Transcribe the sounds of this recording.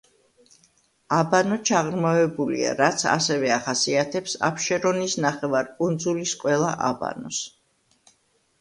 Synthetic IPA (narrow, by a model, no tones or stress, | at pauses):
abanɔt͡ʃʰaʁɾmavɛbulḭa̰ɾat̪sʰa̰sɛvɛaχasiat̪ʰɛpsa̰pʰʃɛɾɔnisnaχɛvaɾkʼund̪zulisqʼwɛlˠaʔaba̰nɔs